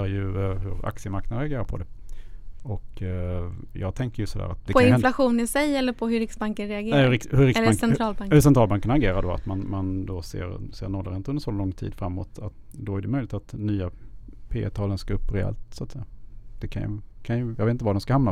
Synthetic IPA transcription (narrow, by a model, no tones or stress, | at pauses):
ɾjɵɦɵɾa̰ksɪəmaɾknad̪əɾɛaɡeːɾaɾpʰɔd̪ɛ | ɔk | jɑːɡ̚t̪ʰɛŋkəɾjɵsɔd̪æ̰ːɾa̰t̪̚d̪ɛkpɪflaɧuːnɪsɛjɛlːəɾpʰɔɦɵɾɪksbaŋkənɾɛaɡ̪ːhɾɪhɵɾɪkaŋsɛnt̪ɾɑːlbŋhɵsɛnt̪ɾɑlbaŋkːənaɾɡeːɾaɖoːa̰t̪manmand̪osḛːɾsḛːɾnɔlːəɾɪnt̪əɵnd̪əɾsɔlɔŋːt̪ʰḭːd̪fɾamːo̰ːt̪at̪d̪ɔæɾɖɛmœjlɪkt̪at̪nyːapʰeːt̪ʰɑːlənskaɵpːɾɛɛ̰lt̪sʊat̪sɛjːad̪̥ɛkʰa̰nj̰kʰanjɵjɑ̰ɡveːt̪t̪əvad̪ɛmskahamna